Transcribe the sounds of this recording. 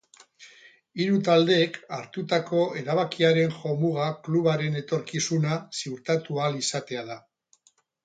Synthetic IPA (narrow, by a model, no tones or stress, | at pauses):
iɾut̪ald̪e̞ːkaɾt̪ut̪ako̞e̞ɾaβakiaɾe̞nxo̞muɣakluβaɾe̞ne̞t̪o̞ɾkisunasiuɾt̪at̪ualisat̪e̞aða